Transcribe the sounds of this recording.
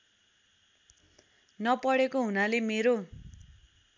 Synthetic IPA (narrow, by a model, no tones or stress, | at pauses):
nʌpʌɽekoɦunalemeɾo